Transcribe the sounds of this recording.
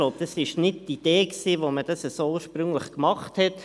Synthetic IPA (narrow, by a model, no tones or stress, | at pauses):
ɡloʊb̚d̥ɑsɪʃnɪt̚tid̥eːksiːʋoməd̥ɑsəsoːuːəɾʃpɾʏŋləχkmɑχthɛt